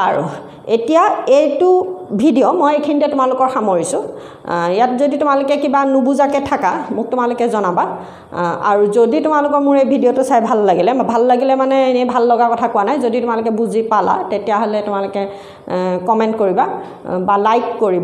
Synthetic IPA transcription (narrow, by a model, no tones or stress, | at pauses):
a̰ɹṵ | etijaejtʊbʱidiomojekʰinitɛtʊmalʊkɔɹxamoɹisʊ̃ | ijatzoditʊmalʊkɛkibanʊbuzakɛtʰakamʊk̚tʊmalʊkɛzɔnaba | a̰ɹuzoditʊmalʊkɔɹmʊɹejbʱidiotʊsajbʱalːaɡilɛbʱalːaɡilɛmanɛenejbʱalːɔɡakɔtʰakʊwanajzoditʊmalʊkɛbuzipala̰tetijaɦolɛtʊmalʊkɛ | kɔmɛntkoɹiba | balajkːoɹib